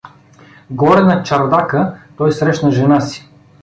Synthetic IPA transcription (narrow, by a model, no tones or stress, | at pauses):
ɡɔɾɛnɐt͡ʃɐɾd̪akət̪ɔjsɾɛʃnɐʒɛnasi̥